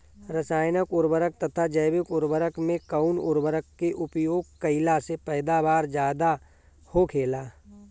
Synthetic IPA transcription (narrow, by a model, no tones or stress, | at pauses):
ɾəsaːjnəkʊɾbəɾək̚t̪ɐt̪ʰad͡ʒəjbɪkʊɾbəɾəkmẽkəʊnʊɾbəɾəkːeʔʊpjoːɡ̚kəɪlasepɛːd̪abaːɾd͡ʒjaːd̪a | hokʰeːlaː